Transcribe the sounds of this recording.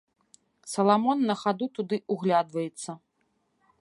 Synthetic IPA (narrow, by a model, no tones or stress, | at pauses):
sɐlˠamɔnːɐxad̪ut̪ud̪ɨuɣlʲad̪vɐjɛt̪sːɐ